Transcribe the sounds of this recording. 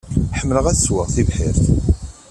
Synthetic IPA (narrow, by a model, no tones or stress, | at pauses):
ħəmːləʁæθəswəʁθivħɪɾθ